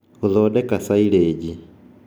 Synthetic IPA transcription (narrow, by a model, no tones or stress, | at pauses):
uðɔːdɛkasaileːɟi